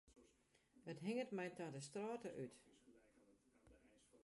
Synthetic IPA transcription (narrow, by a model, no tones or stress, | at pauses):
ətɦɪŋətmɛjtadəstraːtəʔyt